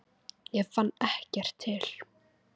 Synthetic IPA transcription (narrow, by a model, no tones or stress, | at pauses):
jɛɣfanːɛhcɛr̥t̪ʰːɪl̥